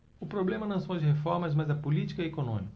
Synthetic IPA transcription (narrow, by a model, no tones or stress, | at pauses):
ʊpɾoblẽmɐnɐ̃w̃sɐ̃w̃ɐd͡ʒɪɦefɔɾmɐzmɐzɐpʊlit͡ʃi̥kɐɛekonõ̰mikɐ